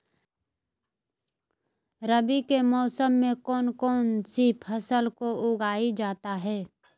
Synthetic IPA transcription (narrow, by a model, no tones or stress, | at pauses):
ɾəbikemɔːsəmːẽkɔːnkɔːnsipʰəsəlkoʔʊɡaːid͡ʒaːt̪aɦɛː